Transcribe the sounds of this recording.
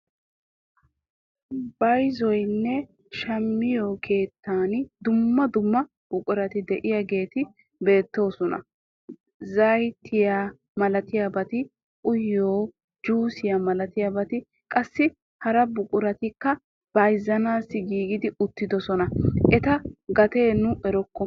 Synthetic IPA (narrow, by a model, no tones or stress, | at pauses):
bɐjzɔjnːɛ | ʃɐmːɪjoːkʰe̞ːt̪ːaːnd̪ʊmːɐd̪ʊmːɐ | b̥ʊkʼʊɾɐt̪ɪd̪ɛʔɪjaɡe̞ːt̪ɪ | be̞ːt̪ːo̞ːsɔnɐ̰ | zɐjt̪ʰːɪja | mɐlɐt̪ɪjabɐt̪ɪ | ʔʊjːoː | d͡ʒuːsɪjamɐlɐt̪ɪjabɐt̪ɪ | kʼɐsːɪ | hɐɾɐbʊkʼʊɾɐt̪ɪkːɐ | b̥ɐjzːɐnaːsːɪɡiːɡɪd̪ɪʊt̪ːɪd̪ɔsɔnɐʔɛt̪ɐɡɐt̪eːnʊʔɛɾɔkːɔ